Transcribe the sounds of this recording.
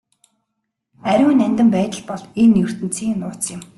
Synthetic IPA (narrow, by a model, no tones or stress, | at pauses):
æɾʲʊːnænʲt̪ɘ̆mpæːt̪ə̆ɮpɔɮenjɵr̥t̪ɘ̆nt͡sʰiːnːʊːt͡sjɪ̆m